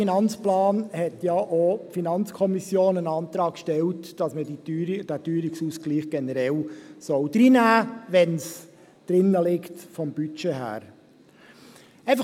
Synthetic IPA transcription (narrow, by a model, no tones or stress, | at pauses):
inɑnt͡splɑːnhɛtjɑʔopfinɑnt͡skʰɔmisjoːnənɑːnt̪ɾɑːkʃtɛltd̥ɑsməd̥ityɾd̥æːtyːɾɪksusɡ̥liːχɡ̥ɛnəɾɛlsɔwd̥̪ɾinæːʋɛns | d̥ɾɪnːəlɪktfɔmbyt͡ʃeːhæ̰ːɾ | æɪfɑ